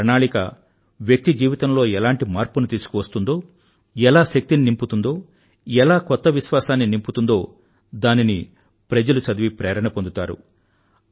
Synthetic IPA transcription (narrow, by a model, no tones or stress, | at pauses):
ɐɳaːɭikɐ̰ | ʋjɐk̚t̪id͡ʒiːʋit̪ɐmlo̞ːɛlaːɳʈimaːɾpunut̪iːsu̥kuʋɐst̪und̪o̞ː | ɛlaːʃɐk̚t̪ininimput̪und̪o̞ː | ɛlaːkɔt̪ːɐʋiʃʋaːsaːnːinimput̪und̪o̞ː | d̪aːnini | pɾɐd͡ʒɐlusɐd̪ɐʋipɾeːɾɐɳɐpond̪ut̪aːɾṵ